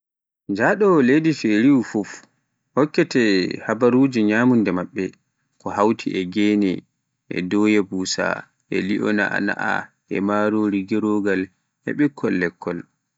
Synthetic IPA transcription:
d͡ʒaɗɔlejdifeɾiwfuf | hɔkːɛtɛhabaɾud͡ʒiɲaːmundɛmaɓːɛ | kɔhawtʰḭʔɛɡɛnɛ | ʔɛ̰dɔːjɛbuːsa̰ | ʔɛ̰liʔɔ̰na̰ʔa̰na̰ʔa̰ | ʔɛ̰maɾoɾiɡiɾoɡal | ɛ̰ɓɛkʰːɔlːɛkʰːɔl

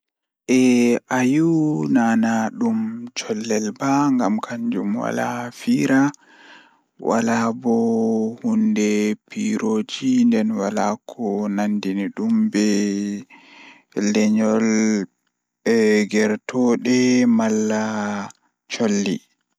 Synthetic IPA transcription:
ʔɛʔajunaːnaɗumt͡ʃɔlːɛlbaŋɡamkʰaɲd͡ʒumwa̰la̰fiːɾa | wa̰labɔhundɛpiɾod͡ʒindɛnwalakʰɔnandiniɗumbɛ | lɛɲɔl | ɡɛɾtʰɔɗɛmalːa | t͡ʃolːḭ

